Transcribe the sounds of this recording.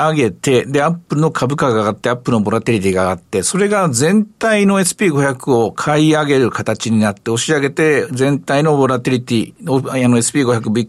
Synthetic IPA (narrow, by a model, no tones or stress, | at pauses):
aɡe̞t̪e̞d̪e̞apːɯ̟ɾɯ̟no̞kʰabɯ̟kaɡaːɡat̪ːe̞apːɯɾɯno̞bo̞ɾat̪ʲiɾʲit̪ʲiɡaːɡat̪ːe̞so̞ɾe̞ɡazẽ̞ntt̪aino̞e̞sɨ̥pʲiːɡo̞çakɯ̟o̞kʰaiaɡe̞ɾɯ̟kat̪at͡ɕiɲ̟inat̪ːe̞o̞ɕiaɡe̞t̪e̞zẽ̞nt̪aino̞bo̞ɾat̪iɾʲit̪ioanoe̞sɨ̥pʲiːɡo̞çakɯ̟bɯ̟i